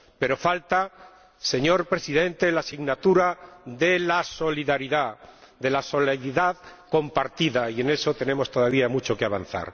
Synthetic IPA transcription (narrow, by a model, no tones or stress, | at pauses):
pe̞ɾo̞falt̪a | se̞ɲo̞ɾpɾe̞siðe̞nt̪elasiɣnat̪uɾaðe̞laso̞liðaɾiðaðe̞laso̞leiðaðko̞mpaɾt̪iðaie̞ne̞so̞t̪e̞ne̞mo̞st̪o̞ðaβ̞iamut͡ʃo̞keaβanθa̰ɾ